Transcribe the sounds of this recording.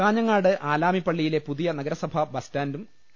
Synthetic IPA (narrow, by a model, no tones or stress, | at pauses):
aːɲɐŋːaːɽɨʔaːlaːmipːɐɭːijile̞puðijɐnɐɡɐɾɐsɐbʱɐbɐstaːndum